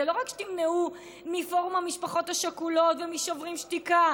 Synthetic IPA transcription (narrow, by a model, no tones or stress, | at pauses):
elo̞ʁakʃe̥timneu | mifo̞ʁumamiʃpaχo̞thaʃakulo̞tvemiʃovʁimʃt̪ika